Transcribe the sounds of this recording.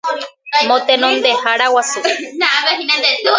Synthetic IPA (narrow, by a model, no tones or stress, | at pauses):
mõt̪enõnd̪ehaɾawasu